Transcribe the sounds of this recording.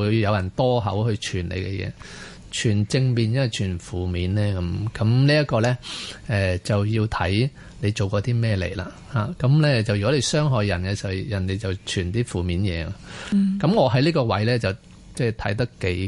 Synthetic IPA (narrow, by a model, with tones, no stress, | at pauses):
u˨˧jjɐ˨˧wjɐ˨˩nt̪ɔː˥ɦɐ̰˨˥whɵ˧ɥt͡ʃʰyː˨˩nlḛ˨˧jkɛ˧jɛ̰ː˨˧ | t͡ʃʰyː˨˩nt͡sɪ˧ŋmiː˨˧njɐ˥nwɐ˨˩jt͡ʃʰyː˨˩nfuː˨miː˨˥nlɛː˥kɐ˨˦mkɐ˨˥mliː˥ɐ˥t̚kɔː˧lɛː˥ʔɛː˨t͡sɐ˨wjiː˧wt̪ʰɐ˨˥j | le˨˧jt͡ʃo˨wkɔː˧t̪iː˥mɛː˥˧lḛ˨˩jla̰ː˧ | ha̰ː˨˩kɐ˨˥mlɛː˥t͡sɐ˨wjy˨kɔ˨˥le˨˧jsœː˥ŋɦɔː˨jːɐ˨˩nkɛ˧sɐ˨˩jɐ˨˩nt̪e˨jt͡sɐ˨˩wt͡ʃʰyː˨˩nt̪iː˥fuː˨˩miː˨˥njɛ̰ː˨˧a̰˧kɐ˨˥mŋɔː˨˧ɦɐ˨˥jliː˥kɔː˧wɐ˨˥jlɛː˥t͡sɐ˨w | t͡sɛː˥˩t̪ʰɐ˨˥jt̪̬ɐ˥kke˨˥